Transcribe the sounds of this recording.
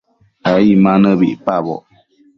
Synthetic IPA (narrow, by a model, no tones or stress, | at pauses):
aimanəbiʔpabɔ̰ʔ